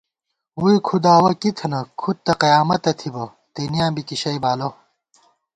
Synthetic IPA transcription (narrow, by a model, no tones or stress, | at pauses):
wuikʰud̪aːwɐkit̪ʰɐnɐkʰut̪̚t̪ːɐqɐjaːmɐt̪ɐt̪ʰibɐ | t̪eːnijãːmbikiɕɐjbaːlo